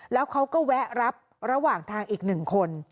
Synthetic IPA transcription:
lɛː˦˥wkʰa˦˥wkɔː˥˩wɛ˦˥ʔɾa˦˥p̚ | ɾa˧waː˨˩ŋt̪ʰaː˧ŋʔiː˨˩k̚nɯ˨˩ŋkʰo˧n

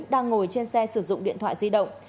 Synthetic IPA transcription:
ɗaː˧ŋːo˨˩jt͡ɕe˧nsɛ˧sɨ˧˩zʊ̰˧˨ŋ͡mɗḭ˧˨ənt̪ʰwa̰ː˧˨zi˧ɗə̰˧˨wŋ͡m

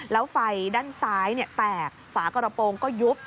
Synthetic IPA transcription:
la˨˦wfa˨˩jɗa˧nsaː˨˦jnɛ˨˧˩t̪aː˨˩k̚faː˨˦kɔ˧ɾɔ˧po˧nkɔ˨˦zu˦˥p̚

